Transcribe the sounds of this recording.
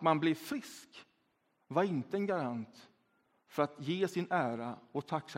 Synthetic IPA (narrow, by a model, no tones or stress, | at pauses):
t̪manblɛvfɾɪsk | vaɾɪnt̪əɛnɡaɾant̪ | fœɾat̪jeːsɪnæːɾaɔt̪ʰakːs